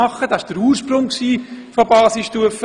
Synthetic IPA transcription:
ɑχːəd̥ɑɪʃd̥əɾuːrʃpɾʊŋksiːfobɑːsisʃtuəf

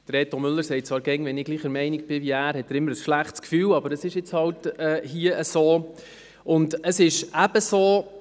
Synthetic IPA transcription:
d̥əɾeːt̪omʏlːəɾsɛɪt̚t͡sʋɑːɾɡɛŋʋɛnɪɡ̥liːχəɾmɛɪnik̚b̥ɪʋiæːɾhɛtːæːɾɪmːəɾəsʃlæχtskfyːlɑbəɾəsɪʃjɪt͡shɑltɛːhiəəsoː | ʊndəsɪʃæbəsoː

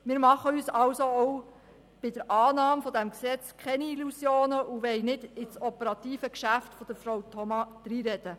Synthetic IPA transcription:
mɪːɾmɑχəyːsɑwsoɔw | b̥ɪdəɾʔɑːnɑːmfɔd̪æmksɛt͡skʰχɛniilusjoːnəʔuʋɛɪnɪd̥ɪt͡sɔpəɾɑt̪iːfəkʃæftfɔd̥əɾfɾowtʰɔmɑd̪̥ɾiːɾɛd̥̪ə

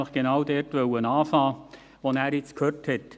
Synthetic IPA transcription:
ɪχɡ̥enaʊdɛɾtʋœwənaːfɑː | ʋonæːɾjɪt͡skʰhøːthɛt

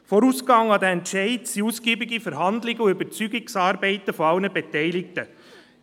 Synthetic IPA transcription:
foɾuːsɡɑŋɑd̪ɛɛntʃɛɪtsiuːsɡ̥iːbɪɡifɛɾɦɑnd̪lɪɡəuøbət͡syɡɪksɑːɾbɛɪtəfɔɑʊnəbɛtɛɪlɪk̚tə

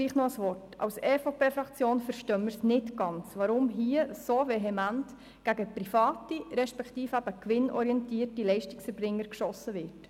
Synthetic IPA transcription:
liːχnoəsʋɔrtɑ̰wsɛfopeːfɾɑkt͡sjoːnfəɾʃtœməɾsnɪtɡ̥ɑnt͡sʋɑɾʊmɦiːəsoveɦɛmænt | ɡ̥æɡəpɾifɑːtiɾɛʃpɛktiːfæb̥əkʋɪnʔɔ̰ɾiɛntiːətilɛɪʃtɪ̥ksfɛɾbɾɪŋːəɾkʃɔsəʋɪːɾt

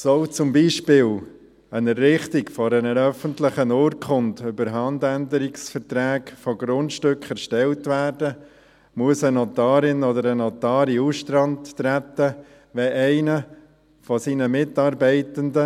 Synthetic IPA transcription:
sɔʊt͡sʊmbiːʃpɪːl | ənərːɪχtɪkfɔɾɛnəɾœfəntlɪχənoːɾkʰχʊntʏbəɾɦɑndændəɾɪksfəɾtɾæːkfɔɡɾʊntʃtʏkʰχɛɾʃtɛltvæːrdə | muəsənɔtɑːɾɪnɔdəɾənɔtɑːɾiusʃtɾɑntːɾæt̪ːə | ʋɛʔæɪnə | fɔsiːnəmɪtɑːɾbɛɪtəndə

